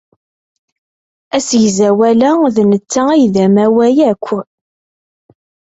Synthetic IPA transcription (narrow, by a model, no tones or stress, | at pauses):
æsjzæwælæðnət͡sːæijðæmæwæjækʷʰːə